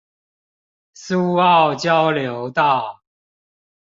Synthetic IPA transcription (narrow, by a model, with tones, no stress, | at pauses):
su˥˦a˥˨ʊt͡ɕjɑ˥˦ʊljo˨˦ʊt̪a˥˨